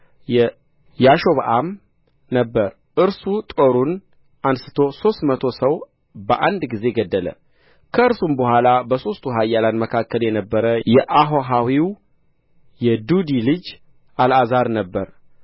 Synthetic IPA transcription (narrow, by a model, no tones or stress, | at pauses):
jɛ | jaʃo̞βaʔam | nəbːəɾ | ʔɨɾsut̪ʼo̞ɾun | ʔansɨ̥t̪ʰo̞so̞st̪mət̪ʰo̞səw | bəʔand̪ɡize̞ɡəd̪ːələ̰ | kʰəɨɾsumbəɦʷalabəso̞st̪ʰuɦajːalanməkʰakːəljɛnəbːəɾəjɛʔaɦoɦawiw | jɛd̪ud̪ilɨd͡ʒ | ʔalazaɾnəbːəɾ